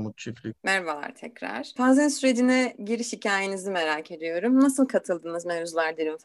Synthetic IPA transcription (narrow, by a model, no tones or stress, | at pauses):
mut̪t͡ʃʰiflʲimæɾvalˠa̰ɾt̪ʰɛcɾa̰ɾ̥fanzɛnsyɾe̞d͡ʒinɛɟiɾiʃhicʰaːjenizime̞ɾaːcʰe̞d̪ijo̞ɾumnasɯlˠkʰat̪ʰɯlˠd̪ɯːnɯzmeɾuzlˠaɾd̪iɾim